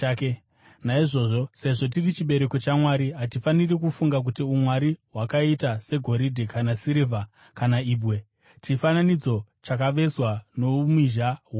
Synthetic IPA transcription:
ke | naiʐo̞ːʐo̞se̞ʐo̞t̬irit͡ʃiɓe̞ɾe̞ko̞t͡ʃamwaːɾiɦat̬ifanirekufuŋɡak̬utiumwaɾiɦwakaitase̞ɡʱo̞ɾidʱekanasiɾiva | kanaiːbwe̞ | t͡ʃifananid͡zo̞t͡ʃakaʋe̞swanomiʒaɦ

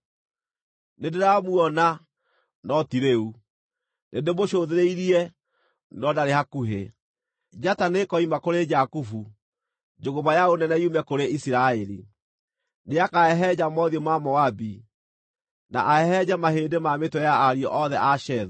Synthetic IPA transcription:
nendeɾamuɔna | nɔtiɾeu | nendemoɕoðeɾeiɾiɛ | nɔdaɾehakuɦḛ | d͡ʒatanekɔimakoɾed͡ʒakufu | d͡ʒoɣoβajaonɛnɛiumɛkoɾeisiɾaeɾḭ | neakaɛɦɛd͡ʑamɔðiɔmamɔabi | na̰ʔaɛɦɛd͡ʑamaheːndemametwɔjaaɾiɔ̰ʔɔðɛʔaʃɛðɔ

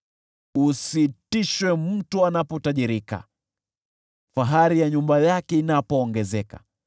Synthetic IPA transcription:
usitiʃwɛm̩tuanapɔtaʄiɾika̰ | faɦaɾijaɲumbajakɛinapɔːŋɡɛzɛka̰

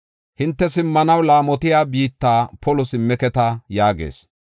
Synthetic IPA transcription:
hɪnt̪ːɛsɪmːɐnɐwlaːmɔt̪ɪjaːbiːt̪ːaːpɔlʊsɪmːɛkɛt̪ɐjaːɡḛːs

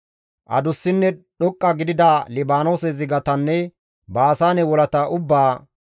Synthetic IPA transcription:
ʔɐ̰d̪ʊsːɪnːɛɗɔkʼːɐɡɪd̪ɪd̪aːlɪbaːnoːsɛzɪɡɐt̪ɐnːɛ | baːsaːnɛwɔlɐt̪ɐʔʊbːaː

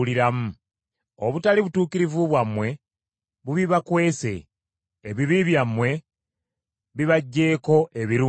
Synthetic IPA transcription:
liɾamu | oβutaliβutuːkiɾivuβwamːwe̞ | βuβiβakwe̞ːse̞̰ː | βiβiβjamːwe̞ | βiβaɟːe̞ːko̞ʔeβiɾuː

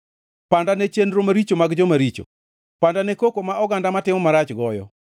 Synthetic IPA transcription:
pandanɛt͡ʃendɾomaɾit͡ʃomaɡd͡ʒɔmaɾit͡ʃo̰ | pandanɛkokomaɔɡandamatɪmɔmaɾat͡ʃɡɔjɔ̰

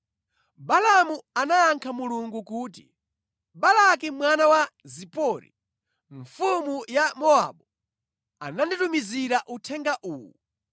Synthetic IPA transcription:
balamuanaːŋkʰamuluŋɡukuːtḭ | balak̬imwanawazipɔːɾḭ | ɱfumujamɔa̰ɓɔ | a̰nanditumiziɾaʔutʰɛŋɡaʔuːwu

